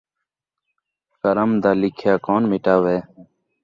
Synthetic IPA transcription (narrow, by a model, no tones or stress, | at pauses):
kəɾəmd̪aːlɪkʰjaːkoːnmɪʈaːʋeː